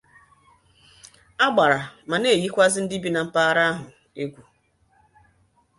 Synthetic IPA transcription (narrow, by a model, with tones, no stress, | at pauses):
a˦ɡ͡ba˨ɾa˨ma˨ne˦˨ji˦kʷa˦zɪ˦n̩˦di˦bi˦na˨m̩˦pa˦ɾa˦ɦʊ˨ | e˦ɡʷu˨